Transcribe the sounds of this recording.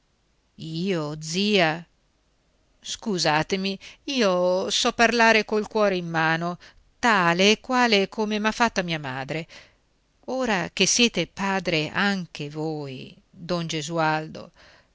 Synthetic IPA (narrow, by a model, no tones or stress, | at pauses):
iːod̪ziːa | skuzaːt̪emiiːosɔpːarlaːɾekolkwɔːɾeimːaːno | t̪aːleːkːwaːlekʰomemafːat̪ːamiːamaːd̪ɾe | oːɾak̟esːjɛːt̪epaːd̪ɾeaŋk̟evoːj | d̪ond͡ʒezuald̪o̰